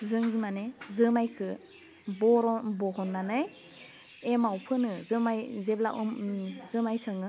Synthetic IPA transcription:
zɯŋzɯmanezɯmajkʰɯ | bɔɾɔbɔɦɔnːanɯj | emawpʰɯnɯzɯmajzebla̰ʔumzɯmajsɯŋɯ

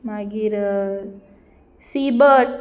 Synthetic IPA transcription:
maɡiɾ | sibəʈ

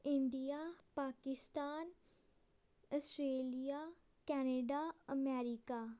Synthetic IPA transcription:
ɪɳɖijaːpaːkɪst̪aːn | əsʈɾeːlijaː | kɛːneɖaːəmɛːɾɪkaː

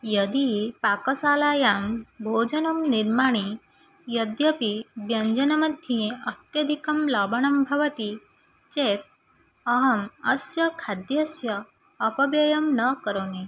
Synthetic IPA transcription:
jɐd̪ipaːkɐsaːlaːjaːmbʱoːd͡ʒɐnɐmniɾmaːɳ̃i | jɐd̪jɐpibjɐɲd͡ʒɐnɐmɐd̪ʱjijẽɐt̪jɐd̪ʱikɐmlaːbɐɳɐmbʱɐʋɐt̪i | t͡ʃeːt̪̚ | ɐɦɐmɐsjɐkʰad̪jɐsjɐː | pɐbjɐjɐmnɐkɐɾone

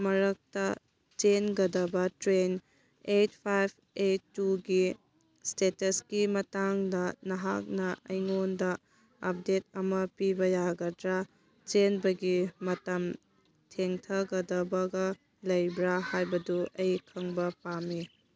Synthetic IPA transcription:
mɐɾɐk̚tɐ | t͡ʃenɡɐdɐbɐtɾen | et̚pʰajb̚ʰ | etːuɡi | stetɐskimɐtaŋdɐnɐɦak̚nɐɐjŋondɐ | ɐp̚det̚ɐmɐpibɐjaɡɐdɾa | t͡ʃenbɐɡimɐtɐm | tʰeŋtʰɐɡɐdɐbɐɡɐ | lɐjbɾahajbɐduʔɐjkʰɐŋbɐpami

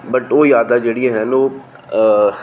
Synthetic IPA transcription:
bɐʈoːjaːd̪ad͡ʒeːɽijẽɦɛ̃noː

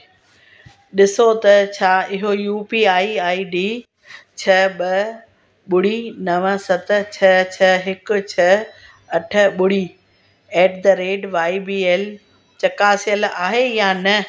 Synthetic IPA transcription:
ɗɪsot̪ɐt͡ɕʰaːɪɦojuːpiːaːiaːiɖiː | t͡ɕʰɐɓɐ | ɓʊɽinɐʋəsɐt̪̆t͡ɕʰɐt͡ɕʰɐɦɪkʊ̆t͡ɕʰɐ | ɐʈʰə̆ɓʊɽ̤iː | eːʈ̚d̪ɐɾeːɖʋaːibiːeːl | t͡ɕɐkaːsijəlaːɦejaːnɐ

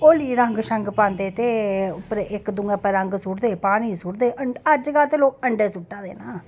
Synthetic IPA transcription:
oːliːɾaŋɡʃɐŋɡpãːnd̪eːt̪eːʊpɾeʔɪkːd̪ʊŋɡapəɾaŋɡsʊɽd̪eːpaːɽ̃iːsʊɽd̪eːʔəɐd͡ʒɡaːt̪eloːk̚əɳɖeːsʊʈːaːd̪ḛːnaː

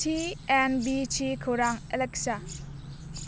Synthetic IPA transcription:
tʰienbit͡ʃʰikʰowɾaŋeleksa

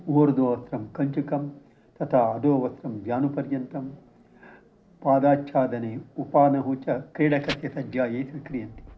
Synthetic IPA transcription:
oːɾd̪oːʋɐt̪ɾɐmkɐɲt͡ʃukɐm | t̪ɐt̪ʰaːɐd̪oːʋɐt̪ɾɐmɡjaːnupɐɾjɐnt̪ɐm | paːd̪aːtt͡ʃʰaːd̪ɐneupaːnɐɦut͡ʃɐkɾiːɽɐkɐsjɐsɐd͡ʒjaːjeːt̪ikɾijɐnt̪i̥

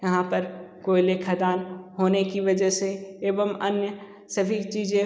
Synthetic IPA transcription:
jɐɦãpɐɾkoːileːkʰad̪aːnɦoːnekiʋɐd͡ʒəseeːʋəmɐnjə | sɐbʱit͡ʃiːzẽ

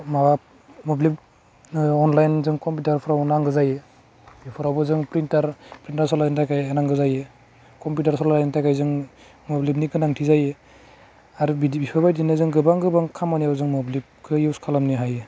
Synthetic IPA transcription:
maa | mɔblip̚ | ɔnlajnzɯŋkɔmp̬utaɾpʰɯɾawnaŋɡɯzaje | bipʰɯɾawbɯzɯŋpɾintaɾpɾintaɾsɔlajntʰajkʰajanaŋɡɯzaje | kɔmputaɾsɔnlajntʰajkʰajzɯŋ | mɔblip̚niɡɯnaŋtʰizaje | aɾbibipʰabajdinɯzɯŋɡɯbaŋɡɯbaŋkʰamanijawzɯŋmɔblip̚kʰɯjuwskʰalamniɦaje

